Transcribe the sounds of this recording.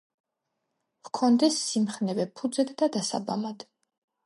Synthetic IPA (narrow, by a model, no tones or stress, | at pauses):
vkʰɔnd̪ɛsːimχnɛvɛpʰːud̪zɛd̪d̪ad̪asa̰ba̰lad̪̥